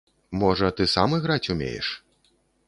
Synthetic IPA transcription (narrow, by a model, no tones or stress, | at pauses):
mɔʐɐt̪ɨsa̰mɨɣɾat͡sʲumʲḛjɛ̰ʂ